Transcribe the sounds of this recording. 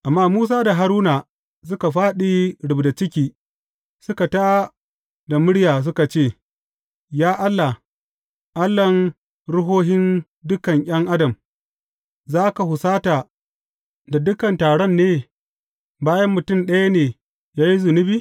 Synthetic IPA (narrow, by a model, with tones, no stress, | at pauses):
ʔa˨mːaː˦muː˦s̬aː˦da˨ɦa˨ɾuː˦naː˨ | s̬ʊ˦ka˨ɸaː˦ɗi˦ɽʊ˨bda˨t͡ʃɪ˦kʲiː˦ | sʊ˦ka˨ta˦ | da˨mʊ˦ɽjaː˨s̬ʊ˦ka˨t͡ʃeː˦˨ | jaː˦ʔa˦lːa˨ | ʔa˦lːɐ˨n | ɾʊ˦ɦoː˦ɦɪ˦n | dʊ˦kɐ˨ŋʔʲʼɐ˦ŋʔa˦dɐ˨m | zaː˦ka˨hʊ˨saː˦taː˨ | da˨dʊ˦kɐ˨ntaː˨ɽɔ˦nːeː˦ | baː˦jɐ˦mːʊ˨tʊ˦˨mɗɐ˦ja˦neː˨ | jaː˦ji˦zʊ˨nʊ˦biː˦